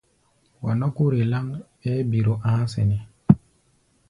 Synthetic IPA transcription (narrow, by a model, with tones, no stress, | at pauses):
wa˨no˦ku˦ɾe˨la˦ŋ | e˦bi˨ɾo˨ʔãː˦sḛ˨ne˨